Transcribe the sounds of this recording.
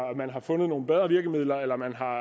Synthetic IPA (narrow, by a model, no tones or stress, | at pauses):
æmænɦɑ̈fɔ̽nðˠno̝ːn̩b̥eð̞ˠʁɐʋiɐɡ̥əmið̞̰ˠlɐelɐmænɦɑ̈